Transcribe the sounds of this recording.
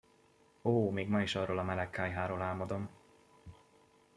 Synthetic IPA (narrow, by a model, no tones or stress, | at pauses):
oːmeːɡmɒiʃɒroːlɒmɛlɛkːaːjɦaːɾoːlaːlmɒd̪o̞m